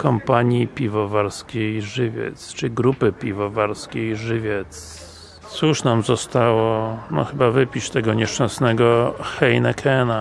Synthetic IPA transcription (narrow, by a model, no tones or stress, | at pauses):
kɔmpaɲipʲivɔvaɾskʲejʐɘvʲjɛ̰t̪st͡ʂɘiɡɾupɘpʲivɔvaɾskʲejʐɘvʲjɛt̪s | t̪suʂnamzɔst̪awɔnɔ̰xɘbavɘpʲit͡ɕt̪ɛɡɔɲɛʂt͡ʂɛnsnɛɡɔxɛjnɛkʰɛna